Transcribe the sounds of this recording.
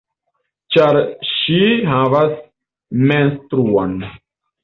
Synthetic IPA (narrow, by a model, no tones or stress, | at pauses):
t͡ʃaɾʃiɦavas | menstɾuon